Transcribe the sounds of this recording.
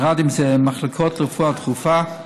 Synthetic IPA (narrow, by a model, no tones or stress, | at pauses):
ʁadɪmzɛmaχlɪkʰɔtləfuatχufa